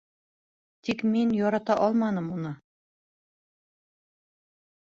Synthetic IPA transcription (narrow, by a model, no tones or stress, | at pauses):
t̪ikminjɒɾɑt̪ɑʔɒlˠmɑnɤmunɤ